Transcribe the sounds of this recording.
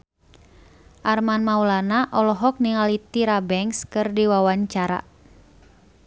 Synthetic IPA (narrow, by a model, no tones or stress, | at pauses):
ʔarmanmaulanaʔɔlɔɦɔk̚niŋalit̪iɾabɛŋskɨrdiwawaɲt͡ʃaɾa̰